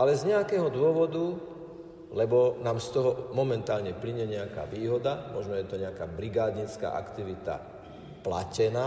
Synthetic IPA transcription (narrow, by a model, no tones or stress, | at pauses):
alɛzɲɛakɛːɦɔd̪ʊɔʋɔd̪u | lɛbɔnaːmst̪ɔɦɔmɔmɛnt̪aːlɲɛpliɲɛɲɛaka̰ːʋiːɦɔd̪amɔʒnɔjɛt̪ɔɲɛakaːbɾiɡaːd̪ɲit͡ska̰ːʔa̰kt̪iʋit̪a̰ | pla̰cɛnaː